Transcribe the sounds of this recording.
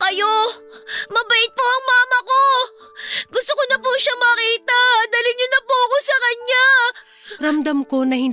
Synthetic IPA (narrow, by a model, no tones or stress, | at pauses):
kɐjo̞ | mɐbɐʔɪt̪̚poʔɐŋmaːmɐko̞ | ɡʊst̪okonɐpuʃamɐkiːt̪ɐd̪aːlɪɲːonɐpuɐko̞sɐkɐɲa | ɾɐmd̪ɐmko̞nɐhɪn